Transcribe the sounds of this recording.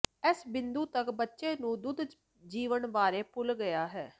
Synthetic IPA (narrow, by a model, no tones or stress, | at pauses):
ɛsbɪnd̪uːt̪əkbətːʃeːnũːd̪ʊd̪ | d͡ʒiːʋənbaːɾeːpʊlɡəjaːɦɛː